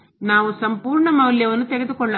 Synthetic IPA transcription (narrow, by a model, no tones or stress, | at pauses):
naːʋusɐmpuːɾɳɐmɐwljɐʋɐnːut̪ɛɡed̪ukɔɭːɐ